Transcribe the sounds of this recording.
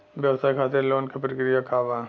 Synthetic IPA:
ʋjɐʋsaːjkʰaːt̪eɾloːnkepɾkɾijakʰaːʋaː

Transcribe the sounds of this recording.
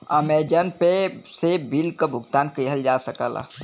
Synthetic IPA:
a̰med͡ʒənpesebilkəbʱuɡt̪ankəjɦəld͡ʒasəkə̰la̰

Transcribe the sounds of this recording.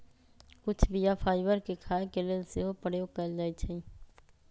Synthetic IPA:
kʊt͡ʃʰbijapʰaːɪʋəɾkekʰaːekeleseɦopəɽeokəld͡ʒaːit͡ʃʰəĩː

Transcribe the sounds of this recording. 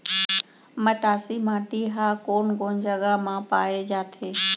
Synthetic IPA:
məʈaːsimãːʈiɦaːkoːnɡoːnd͡ʒəɡamãpaːed͡ʒaːt̪ʰeː

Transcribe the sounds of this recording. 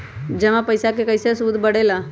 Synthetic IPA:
d͡ʒɐmãpəjsakekəɪsesud̪ʱbəɽela

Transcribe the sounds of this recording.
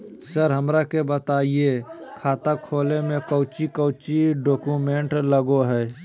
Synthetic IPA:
səɾɦəmɾakebət̪aːiekʰaːt̪akʰoːlemẽkəːt͡ʃikəʊt͡ʃiɖoːkumẽɳʈləɡoɦɛː

